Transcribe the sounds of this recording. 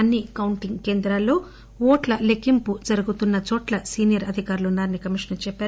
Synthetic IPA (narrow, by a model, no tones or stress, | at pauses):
ɐnːikɐwuɳʈiŋɡke̞ːnd̪ɾaːlo̞ː | oːʈlɐlekimpud͡ʒɐɾuɡut̪unːɐt͡ʃɔːʈlɐsiːnijɐɾɐd̪ʱikaːɾulunːaːɾnikɐmiʂnɐɾt͡ʃɛpːaːu